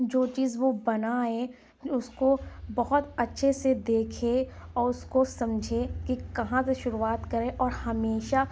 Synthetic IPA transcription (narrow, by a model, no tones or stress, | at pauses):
d͡ʒoːt͡ʃiːzʋobɐnae | ʊskobɐɦʊt̪ɐtːʃʰesed̪eːkʰẽɔːɾʊskosɐ̃md͡ʒʱekikɐɦãseʃʊɾuaːt̪kɐɾẽʔɔːɾhɐmeːʃa